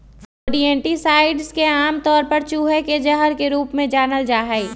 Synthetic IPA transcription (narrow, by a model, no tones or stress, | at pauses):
foːɖiɛ̃ːɳʈisaːɪɖzkeaːmt̪ɔːɾpɐɾt͡ʃuːɦeked͡ʒɐɦəɾkeɾuːpmẽd͡ʒaːnəld͡ʒaːɦai